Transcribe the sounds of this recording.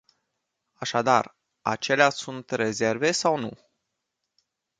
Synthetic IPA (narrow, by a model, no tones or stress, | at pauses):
aʃad̪ar | a̰t͡ʃe̞leasunt̪re̞ze̞rve̞sawnṵ